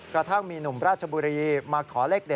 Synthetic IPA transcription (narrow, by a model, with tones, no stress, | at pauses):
kɾa˧t̪ʰa˥˩ŋmiː˧nu˨˩mɾaː˥˩t̪̚t͡ɕʰa˧buː˧ɾiː˧maː˧k̚t̪ʰɔː˩˦leː˥˩k̚de˨˩